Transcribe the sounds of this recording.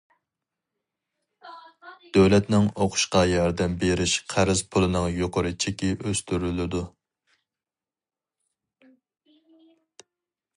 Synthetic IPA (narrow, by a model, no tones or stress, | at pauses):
d̪̥øwlɛt̪nɪŋoqʰʊ̥ʃqɑjɑɾd̪ɛmbeɾɪʃqʰæɾɪzpʰʊlˠɨnɨŋjoqʊɾɨt͡ʃʰekʲiʔøst̪yɾylɪd̪u